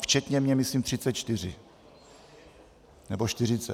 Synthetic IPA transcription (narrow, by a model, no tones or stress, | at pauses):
ft͡ʃɛt̪ɲɛmɲɛmɪsliːmt̪r̥ɪt͡sɛt͡ʃt̪ɪr̝ɪ | nɛboʃt̪ɪr̝ɪt͡sɛ̰